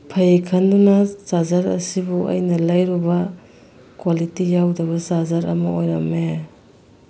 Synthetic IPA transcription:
pʰɐjikʰɐndunɐsazaɾɐ̰sibuɐ̰jnɐlajɾubɐ | kwalitijawdɐβɐsazaɾɐ̰mɐojɾɐme

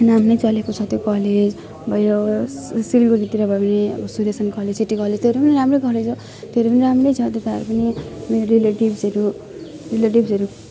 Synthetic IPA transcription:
namnʌjt͡sʌlekot͡sʰʌt̪jokʌled͡z | bʱʌjɾʌsilɡoɡit̪iɾʌbʱʌepʌniʌ̰ʌsuɾesʌnkʌled͡zsiʈːikʌled͡zt̪ʰeɾejpʌniɾamrojkʌled͡zo | t̪eɾepʌniɾamrojt͡sʰʌt̪et̪aʌɾupʌnimeoɾileʈibsʌɾu | rileʈibsʌɾu

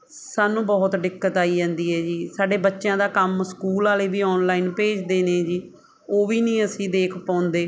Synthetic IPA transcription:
saːnːũːbɔːt̪ɖɪkːət̪aːiːd͡ʒãːnd̪iːɦɛːd͡ʒiːsaːɖeːbətːʃjãːd̪aːkəmskuːlaːleːbiːɔːnlaːiːnpeːd͡ʒd̪eːnẽːd͡ʒiː | oːʋiːnĩːəsĩːd̪eːkʰpãːʊnd̪eː

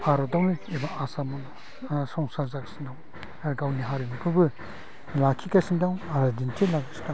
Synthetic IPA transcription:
paɾɔdawniebaasamuŋ | sɔŋsazakasindaw | aɾɡawniɦaɾimukʰɯbɯ | lakʰikasindawaɾadintʰilakasi̥ka

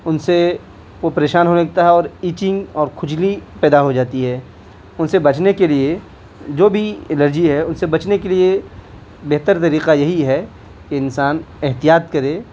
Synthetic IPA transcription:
ʊnse | ʋopɐɾeːʃaːnɦonɐk̚t̪aɦɛɔːɾiːt͡ʃɪ̃ŋɡɔːɾkʰʊd͡ʒlipɛːd̪aɦod͡ʒaːt̪iɦɛː | ʊnsebɐt͡ʃnekelie | d͡ʒoːbʱiɪləɾd͡ʒiɦɛʊnsebɐt͡ʃnekelie | beɦt̪əɾt̪ɐɾiːqajɐɦiɦɛ | keɪnsaːnɛɦt̪ijaːt̪kɐɾẽː

